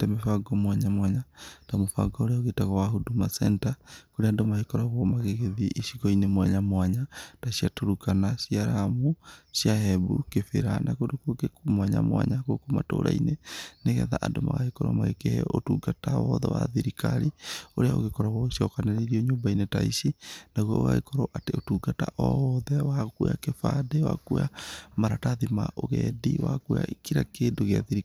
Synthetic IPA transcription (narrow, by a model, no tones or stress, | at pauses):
tɛmefaɡɔmwaɲamwaɲatamofa̰ɡɔoɾeaoɣetaɣɔwaɦudumasɛ̰ntakoɾeandomahekɔɾaɣwɔmaɣeɣeðiʔiʃiɣɔinemwaɲamwaɲataʃijatoɾukanaʃiaɾamoʃjaɦɛβṵkefḛɾanakodokoɡekomwaɲa̰mwa̰ɲakokoma̰to̰ːɾa̰ineneɣɛðaʔandomaɣaekɔɾɔmaɣekehɛotuɡatawɔðɛwa̰ðiɾikaɾioɾeaoɣekɔɾaɣɔosiɔkaneɾeɾiɔɲoːmbainetaisinaɣwao̰ɣa̰ɣekɔɾɔʔateotuɡata̰ʔɔðɛwakujakefadewa̰kujamaɾataðimaʔoɣɛdḭwa̰kuja̰ikiɾakeːndoɣeaðiɾi